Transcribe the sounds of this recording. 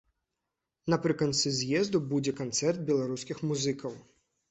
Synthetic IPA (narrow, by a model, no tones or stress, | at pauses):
nɐpɾɨkɐnt̪sɨzʲjɛzd̪ubud͡zʲɛkant̪sɛrd̪̚bʲɛlˠaɾuskʲixmuzɨkʰɐw